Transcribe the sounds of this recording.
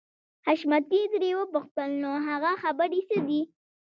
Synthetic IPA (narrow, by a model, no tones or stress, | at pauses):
haʃmat̪id̪ɾewəpʊxt̪əlnoɦaɣaxabəɾisəd̪i